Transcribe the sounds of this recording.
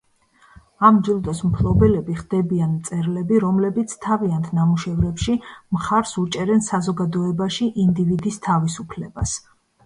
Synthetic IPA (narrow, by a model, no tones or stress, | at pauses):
amd͡ʒilˠd̪ɔsmpʰlˠɔbɛlɛbiχd̪̥ɛbianmt̪sʼɛɾlɛbiɾɔmlɛbit̪sʰt̪ʰaviant̪ʰnamuʃɛvɾɛpʃimχaɾsut͡ʃʼɛɾɛnsazɔɡad̪ɔɛbaʃiʔind̪ivid̪ist̪ʰavisupʰlɛbas